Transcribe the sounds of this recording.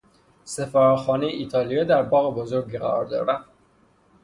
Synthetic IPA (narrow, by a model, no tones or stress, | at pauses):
sefæːɾxɒːnejeʔiːt̪ʰɒːlijed̪æɾbɒːɣebozoɾɡiːʁæ̰ɾɒ̰ːɾd̪ɒ̰ːɾæn